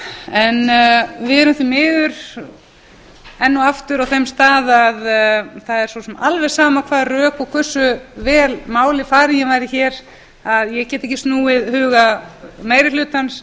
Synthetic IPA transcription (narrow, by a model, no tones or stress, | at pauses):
ɛnvɪðɛɾʏmθimɪːðʏɾ̥ | ɛnːuaft̪ʏɾawθejmst̪aːðaðθaðɛɾ̥svɔsɛmalvɛ̥saːmakʰvaːðrœːkɔkʰvœr̥sʏvɛːlmaːwlɪfaːɾɪjɛvaːjɾɪçɛːɾ̥ | aðjɛɣcɛːt̪ɪɛcːɪst̪nuːɪðhʏːɣameːjɾɪlʏːt̪ans